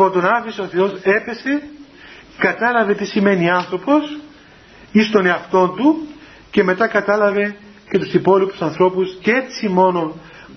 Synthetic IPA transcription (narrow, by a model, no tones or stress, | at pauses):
pot̪onɐfisoθe̞o̞se̞pe̞se̞ | kɐt̪ɐlɐve̞t̪isime̞niɐnθɾo̞po̞s | ist̪o̞ne̞ɐft̪o̞nd̪u | ce̞me̞t̪ɐkɐt̪ɐlɐve̞ | ce̞t̪usipo̞lipu̥sɐnθɾo̞pusce̞t͡simo̞no